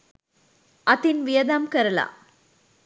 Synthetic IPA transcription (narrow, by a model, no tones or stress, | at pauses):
ɐt̪inʋɪjɐd̪aːmkɐɾɐla̰ː